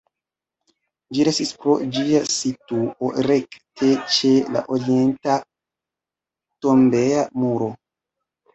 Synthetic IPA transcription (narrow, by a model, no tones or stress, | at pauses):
d͡ʒiɾestispɾo̞̰d͡ʒiasituʔoɾe̞ktʰe̞t͡ʃe̞la̰ʔoɾie̞nta | to̞mbe̞amuɾo̞